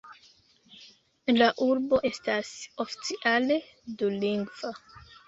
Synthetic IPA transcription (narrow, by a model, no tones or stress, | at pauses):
laʔuɾbo̞ʔe̞staso̞fi̥t͡siʔale̞ | duliŋɡv̥a